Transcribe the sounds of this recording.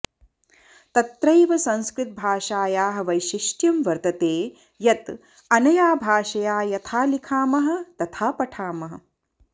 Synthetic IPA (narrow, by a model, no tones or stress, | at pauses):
t̪ɐt̪ɾɐjʋɐsɐ̃nskɾɪt̪̚bʱaːʃaːjaːɦɐ̆ʋɐjʃiʃʈjɐmʋɐɾt̪ɐt̪eː | jɐt̪ | ɐnɐjaːbʱaːʃɐjaːjɐt̪ʰaːlikʰaːmɐɦɐ̆t̪ɐt̪ʰaːpɐʈʰaːmɐɦɐ̆